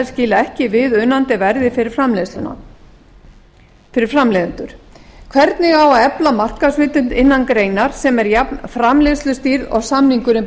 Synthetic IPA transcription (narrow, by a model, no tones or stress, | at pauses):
scɪːlaɛhcɪvɪðʏnːant̪ɪvɛɾðɪfɪɪamlɛslʏna̰ | fɪɾɪɾ̥fɾamlɛːðʏnt̪ʏɾ̥ | kʰv̥ɛɾt̪nɪɣawaðɛplamar̥kasvɪːt̪ʏnt̪ɪnːankɾeːjnaɾ̥sɛmɛɾjapnfɾamlest̪lʏst̪iɾɔ̰ɣsamniŋkʏɾɪm